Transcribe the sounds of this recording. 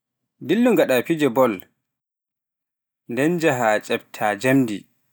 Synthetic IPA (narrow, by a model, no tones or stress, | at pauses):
dilːuŋɡaɗapid͡ʒɛbɔl | ndɛnd͡ʒaɦat͡ʃʼɛb̚tʰaːd͡ʒamdḭ